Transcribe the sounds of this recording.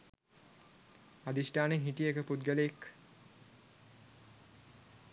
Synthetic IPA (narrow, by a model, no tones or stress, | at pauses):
ad̪isʈaːnenɦiʈijekəpud̪ɡəleek